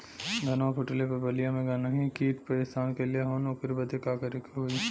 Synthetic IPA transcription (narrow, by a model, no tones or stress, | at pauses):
ɡɐnapʰʊʈəlepɐbɐlijãmẽɡanaɦĩkiːʈpɐɪst̪aːnkelieɦoːnoːkɪɾibɐd̪ekaːkɐɾɪkʰːeɦui